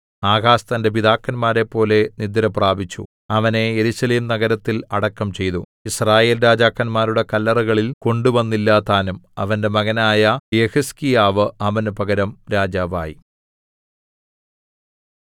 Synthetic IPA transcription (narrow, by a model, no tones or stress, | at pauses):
aːɣaːst̪ɐnde̞biðaːkːɐnmaːɾe̞pːo̞ːle̞nid̪ːɐɾɐpraːbit͡ɕːṵ | ɐʋɐne̞eɾuɕɐleːmnɐɣɐɾɐt̪ːilɐɽɐkːɐmt͡ɕe̞jt̪u | israːje̞ːlɾaːd͡ʑaːkːɐnmaːɾuɽe̞kɐlːɐrɐɣɐɭilko̞ɳɖuʋɐnːilːaːt̪aːnumɐ̰ʋɐnde̞mɐɣɐnaːjɐjehɐskijaːʋɨɐʋɐnɨpɐɣɐɾɐmɾaːd͡ʑaːʋa̰ːjḭ